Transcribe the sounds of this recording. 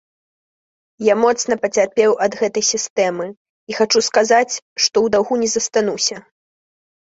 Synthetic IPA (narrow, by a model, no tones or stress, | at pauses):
jamɔt̪sn̪ɐpɐt͡sʲarpʲɛwɐd̪ɣɛt̪ɐjsʲist̪ɛmɨ | ixat͡ʂuskazat͡sʲʂt̪ɔwd̪awɣunʲɛzɐst̪anusʲɐ